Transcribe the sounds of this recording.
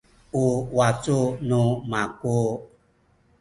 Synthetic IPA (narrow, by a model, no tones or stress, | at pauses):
uwat͡sunumaku